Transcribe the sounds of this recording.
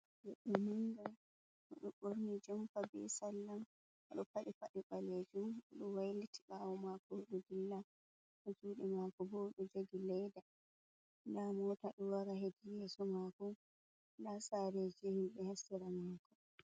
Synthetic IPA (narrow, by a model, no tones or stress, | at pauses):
jɛɗɔmuŋɡa | haɗɔɓoɾnid͡ʒɛmfabɛ̰salːam | ʔɗɔpaɗifaɗiɓaled͡ʒumɔɗɔwajliti̥ɓawɔmakɔɗuɡilːa | ɗɔd͡ʒuːɗimakɔbɔɗɔd͡ʒoɡilɛjda | damɔtaɗɔwaɾahedijɛsɔmakɔ | lasaɾed͡ʒɛhimɓɛhasːiɾamakɔ